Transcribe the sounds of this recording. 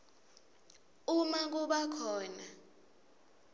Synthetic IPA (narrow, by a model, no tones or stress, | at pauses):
umak̬uɓakʰɔːna